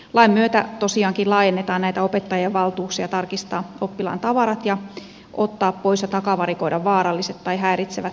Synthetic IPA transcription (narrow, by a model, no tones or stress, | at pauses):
lɑimmːyøt̪æt̪osiɑːŋkillɑːjenːet̪ɑːnnæit̪æopet̪ːɑjeʋʋɑlt̪uːksiɑt̪ɑrkist̪ɑːopːilɑ̰nt̪ɑʋɑɾɑt̪jɑ | ʔot̪ːɑːppoisjɑt̪ɑkɑʋɑɾikoidɑʋʋɑːɾɑlːiset̪t̪ɑiɦæːɾit̪seʋæt̪